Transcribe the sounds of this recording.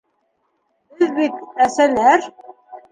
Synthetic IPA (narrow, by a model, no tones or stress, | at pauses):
bɪðbit̪̚æsælæɾ